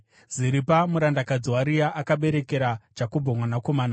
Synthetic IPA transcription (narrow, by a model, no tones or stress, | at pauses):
ziɾipamuɾandakad͡zuwaɾijaʔakaɓe̞ɾe̞ke̞ɾad͡ʒakobʱomwanako̞maːna